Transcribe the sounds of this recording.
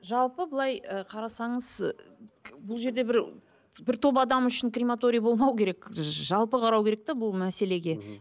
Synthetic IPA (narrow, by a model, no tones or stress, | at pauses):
ʒɑlˠpəbəlˠɑjəqʰɑɾɑsɑɴəz | bʊlˠʒe̞ɾd̪e̞bɪɾ | bɪɾt̪ʰo̞pɑd̪ɑmʏʃɪnkrʲimat̪o̞ɾʲijbo̞lˠmɑwkʲʰe̞ɾekʒɑlˠpəqʰɑɾɑwkʲʰe̞ɾek̚t̪ebʊlˠmæse̞le̞ɡʲe̞